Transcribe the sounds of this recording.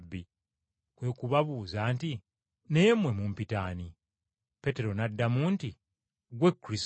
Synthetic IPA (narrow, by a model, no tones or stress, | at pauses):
bːi | kwe̞ːkuβaβuzaːnti | ne̞ːmwe̞muːmpitaːni | pe̞te̞ɾo̞nadːamuːnti | ɡwe̞kːɾis